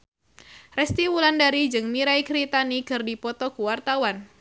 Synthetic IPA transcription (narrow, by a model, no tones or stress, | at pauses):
rɛst̪iwulandaɾid͡ʒɨŋmiɾaikɾit̪anikɨrdipɔt̪ɔkuwart̪awan